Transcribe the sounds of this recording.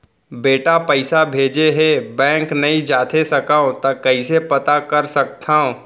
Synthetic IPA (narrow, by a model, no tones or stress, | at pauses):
beːʈapɐɪsabʱeːd͡ʒeɦɛbɛ̃ːŋknɐĩd͡ʒaːt̪ʰesɐkaːõt̪ɐkɐisepɐt̪akɐɾsɐk̚t̪ʰaːõ